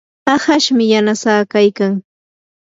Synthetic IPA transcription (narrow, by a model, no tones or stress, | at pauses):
ɑhaʃmɪjanasaːkajkaŋ